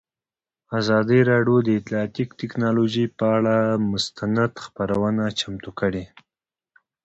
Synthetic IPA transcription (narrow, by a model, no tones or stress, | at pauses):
azɑd̪iɾɑɖjod̪əɪt̪lɑɑt̪ikt̪ɪknɑloʒipəaɭamʊst̪anad̪xpaɾawənat͡ʃamt̪ukəɽe